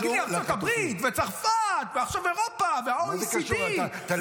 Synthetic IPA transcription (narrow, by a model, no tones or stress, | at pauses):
ɡiaat̪abʁit̪vet͡saʁfat̪veaχʃaveʁopaveaolsit̪